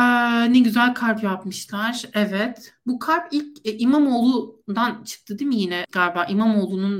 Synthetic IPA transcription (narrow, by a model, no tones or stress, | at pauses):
nɛɟyzælʲkʰaɾpjapmɯʃlˠaɾ̥ɛvɛt̪bukʰaɾpilʲcʔimamoːlˠud̪ant͡ʃʰɯ̥k̚t̪ʰɯd̪imijinɛɡ̥aɾbaːʔimamoːlˠunun